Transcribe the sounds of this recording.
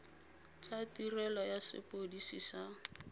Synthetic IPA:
t͡ʃʼatirɛlɔjasɪ̰pʼodisisa

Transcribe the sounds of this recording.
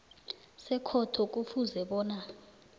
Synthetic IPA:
sɛkʰɔtʰɔk̬ʼufuzɛɓɔːna

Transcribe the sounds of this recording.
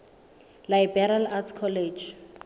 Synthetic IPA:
lajbɛralatkʰɔled͡ʒ

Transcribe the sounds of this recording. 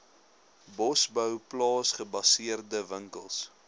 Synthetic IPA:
bɔsbœwplɑːsχəbɐsiərdəvəŋkəlˠs

